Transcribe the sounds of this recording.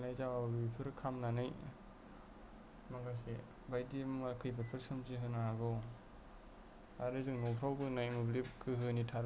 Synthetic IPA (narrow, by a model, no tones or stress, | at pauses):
najzawaɾipʰɯɾkʰamnanɯj | maŋɡas̬e | bajdimakʰɯjbʰapʰɯɾsɯmziɦɯnaɦaɡɯw | aɾɯzɯŋnɔwpʰɾawbɯnajmɯblikʰɯɦɯnitʰaɾ